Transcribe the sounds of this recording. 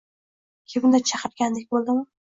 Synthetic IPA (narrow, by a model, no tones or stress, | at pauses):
kʲʰebʊnd̪at͡ʃʰaqɨɾɡʲand̪ek̚ʲbolˠd̪ɪmɪ